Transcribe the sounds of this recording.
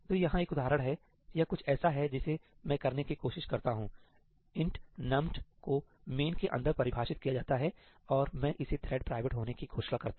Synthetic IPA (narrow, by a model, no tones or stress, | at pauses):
t̪oːjɐɦãeːkʊd̪aːɾəɽ̃ɦɛ | jakʊt͡ʃʰɛːsaɦɛd͡ʒɪsemɛ̃ːkɐɾnekikoːʃɪʃkɐɾt̪aɦũ | ɪ̃ɳʈnɐ̃mʈko | meːnkeʔɐ̰̃nd̪əɾpɐɾɪbʱaːʃɪt̪̚kijad͡ʒaːt̪aɦɛ | ɔːɾmɛ̃ʔɪset̪ʰɾɛːɖ̚pɾaːɪʋeʈɦoːnekiɡʰoːʃlakɐɾt̪a